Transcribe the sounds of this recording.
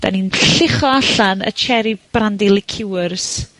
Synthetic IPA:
d̥a̰ninɬɪχɔaɬanə̰t͡ʃʰɛɾib̥randilɪkʰɪwərs

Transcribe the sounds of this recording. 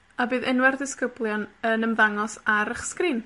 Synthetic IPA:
abɨːðɪnwɛrdɪskəblˠjɔnənəmðaŋɔsaɾəχskriːn

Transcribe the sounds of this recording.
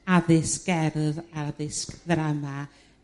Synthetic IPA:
aðɪsɡ̥ɛɾðaðɪskðɾama

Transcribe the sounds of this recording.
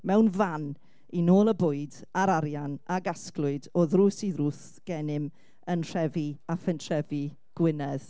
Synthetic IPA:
mɛwnvan | inoːlˠəbʊɨdaɾaɾjanʔaɡasklˠʊɨdɔðruːsiðruːθ | ɡ̥ɛnɪm | ənr̥ɛviafɛntʰr̥ɛvi | ɡ̥wɪnɛð̥

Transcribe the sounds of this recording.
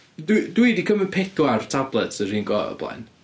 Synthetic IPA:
ddwiːdikʰəmənpʰɪθʊartʰablˠɛtʰsəriːnɡɔːə̰b̥lˠa̰n

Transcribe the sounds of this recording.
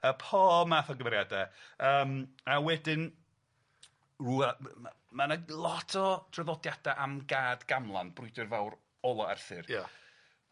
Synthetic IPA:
əpʰɔmaːθɔɡəmɾjadɛəːmawɛdɪn | ruːaa | manalˠɔtʰɔd̥rəvɔdjad̥aʔamɡaːdɡ̥amlˠa̰nbrʊjdɨrvawr | ɔlˠɔa̰rθɨrja

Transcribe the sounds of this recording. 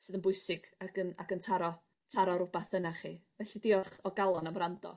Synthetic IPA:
sɨːðənbʊɨsɪɡ̥aɡəna̰ɡəntʰaɾɔ | tʰaɾɔɾʊbaθənaχḭːvɛɬidɪɔχɔɡalˠɔnamrandɔ̰

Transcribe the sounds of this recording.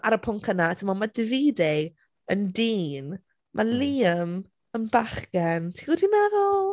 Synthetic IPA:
ʔaɾəpʰʊŋkʰənatʰəmamadɪviːde | əndiːn | mʔaliːəm | ənbaχɡɛntʰiɡɔdinɛðɔlˠ

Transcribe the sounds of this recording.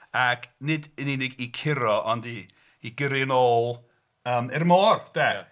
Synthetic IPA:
akʰnɪdɪninɪɡikʰɪɾɔʔɔndiː | ɡəɾɪnoːlˠ | əːmɛrmɔːrd̥ɛ

